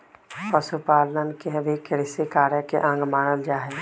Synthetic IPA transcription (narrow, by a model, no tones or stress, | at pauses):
pəʃupaːlnənkeɦəʋekɪɽɪsekaːɾjəkeʔɐ̃ŋɡmaːnəld͡ʒaːɦe